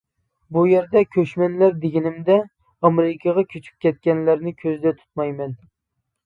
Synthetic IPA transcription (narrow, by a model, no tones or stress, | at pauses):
bujeɾd̪ɛkʲʰøʃmɛnlæɾd̪eɡʲinɪmd̪ɛ | ɑmɾɪkʲʰɑʁɑkʲʰyt͡ʃʰy̥p̚kʲʰɛt̪̚kʲɛnlæɾnɪkʲʰøzɪd̪ɛt̪ʰu̥t̪̚mɑjmɛn